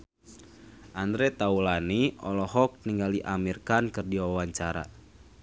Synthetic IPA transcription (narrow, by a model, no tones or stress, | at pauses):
ʔandɾɛt̪aulaniɔlɔɦɔk̚niŋɡaliʔamirkankɨrdiwaawaɲt͡ʃaɾa̰